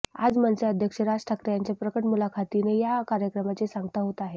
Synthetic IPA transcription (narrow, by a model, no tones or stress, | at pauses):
a̰d͡zmənseəd̪ʱjəkʂəɾasʈʰakɾjaɲt͡ɕjapɾəkəʈmulakʰat̪inejakaɾjəkɾəmat͡ɕesaŋɡt̪aɦot̪aɦe